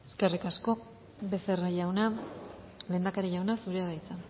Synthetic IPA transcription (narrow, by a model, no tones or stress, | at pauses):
eske̞rikasko̞ | be̞seraʝawna | le̞nd̪akaɾiʝawnasuɾeaðajt͡sa